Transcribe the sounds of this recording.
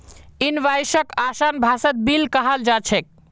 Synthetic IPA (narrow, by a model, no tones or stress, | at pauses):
inʋajsəkasanbʱasət̪̚bilkəɦəld͡ʒat͡ʃʰɛk̚